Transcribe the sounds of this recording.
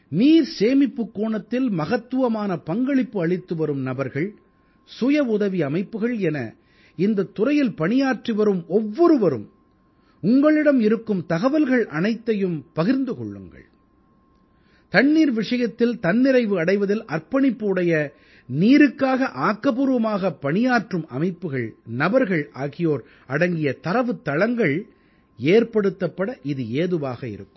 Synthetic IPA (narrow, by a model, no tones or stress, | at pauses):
niːɾseːmɪpːɯkːuːɳɐt̪ːɪlmɐɣɐt̪ːɯʋɐmaːnɐpɐŋɡɐɭɪpːɯɐɭɪt̪ːɯʋɐɾɯmnɐbɐɾɣɐɭ | sʊjɐʊðɐʋiɐmɐɪpːɯɣɐɭɛnɐ̰ | ɪnd̪ɐt̪ːʊrɐjɪlpɐɳɪjaːʈriʋɐɾɯmɔʋːɔɾɯʋɐɾɯ̰m | ʊŋɡɐɭɪɽɐmɪɾɯkːɯmt̪ɐɣɐʋɐlɣɐɭʔɐnɐɪt̪ːɐjɯmpɐɣɪɾnd̪ɯkɔ̰ɭːɯ̰ŋɡɐ̰ɭ | t̪ɐɳːiːɾʋɪʂɐjɐt̪ːɪlt̪ɐnːɪɾɐɪʋɯɐɽɐɪʋɐðɪlʔɐrpɐɳɪpːɯɯɽɐjɐ | niːɾɯkːaːɣɐʔaːkːɐpuːɾɯʋɐmaːɣɐpːɐɳɪjaːʈrɯmɐ̰mɐɪpːɯɣɐɭnɐbɐɾɣɐɭaːɣɪjoːɾ | ɐɽɐŋɡɪjɐt̪ɐɾɐʋɯt̪ːɐɭɐŋɡɐɭ | eːɾpɐɽɯt̪ːɐpːɐɽɐʔɪðɯeːðɯʋaːɣɐɪ̰ɾɯkːɯm